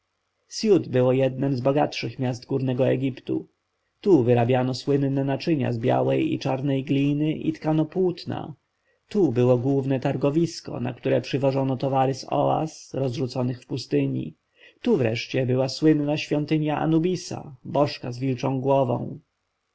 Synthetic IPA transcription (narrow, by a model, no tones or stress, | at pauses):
sjut̪bɘwɔjɛd̪nɛmzbɔɡat̪ʂɘxmʲjasd̪ɡuɾnɛɡɔɛɡʲipt̪ṵ | t̪uvɘɾabʲjanɔswɘnːɛnat͡ʂɘɲa̰zbʲja̰wɛjḭt͡ʂaɾnɛjɡlʲinɘʔḭt̪kanɔpwut̪na̰ | t̪ubɘwɔɡwuvnɛt̪aɾɡɔvʲiskɔ̰na̰kt̪uɾɛpʂɘvɔʐɔnɔt̪ɔvaɾɘsɔ̰a̰sɾɔzʐut̪sɔnɘxfpust̪ɘɲḭ | t̪uvɾɛ̰ʂt͡ɕɛbɘwaswɘnːaɕfʲjɔnt̪ɘɲjaʔa̰nubʲisa̰bɔʂkazvʲilt͡ʂɔ̃w̃ɡwɔvɔ̰̃w̃